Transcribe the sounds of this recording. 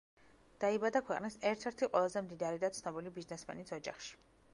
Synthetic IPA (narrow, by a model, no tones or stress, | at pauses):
d̪̥aibad̪akʰwɛqʼnisɛɾt̪ʰɛɾt̪ʰiqʼwɛlˠazɛmd̪id̪aɾid̪at̪sʰnɔbilibiznɛsmɛ̰nisʰɔd͡ʒa̰χʃi̥